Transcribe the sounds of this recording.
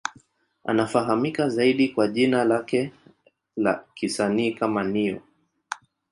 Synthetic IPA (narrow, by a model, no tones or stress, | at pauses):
a̰nafaɦamikazaiɗikwaʄinalakɛ | la̰kisaniːkamaniɔ̰